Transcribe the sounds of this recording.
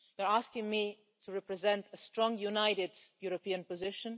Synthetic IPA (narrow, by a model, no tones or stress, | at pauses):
juəɹaskɪ̃ŋmi | tʰuɹɛpɹɛzɛ̃ntəstɹɔ̃ŋjunaɪɾɪdjuɾopiə̃npɔzɪʃə̃n